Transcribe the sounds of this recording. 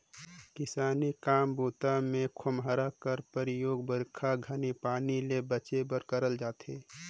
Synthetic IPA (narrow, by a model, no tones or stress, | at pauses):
kɪsaːnikaːmbuːt̪amẽkʰʊmɦəɾakəɾpəɾɪjoːɡbəɾkʰaɡʱənipaːnilebət͡ʃebəɾkəɾəld͡ʒaːt̪eː